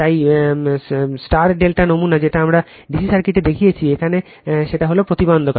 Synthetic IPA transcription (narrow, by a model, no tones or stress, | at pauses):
t̪aj | sʈaɾɖelʈanomunad͡ʑeʈaamɾa | ɖisisaɾkiʈed̪ekʰijet͡ɕʰiekʰane | ʃeʈaɦolopɾot̪ibond̪ʱoka